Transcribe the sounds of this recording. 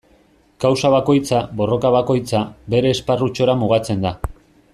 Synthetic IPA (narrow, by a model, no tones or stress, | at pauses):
kawsaβ̞ako̞jt͡saβo̞ro̞kaβ̞ako̞jt͡sabe̞ɾe̞ːsparut͡ʃo̞ɾamuɣ̞at͡se̞nd̪a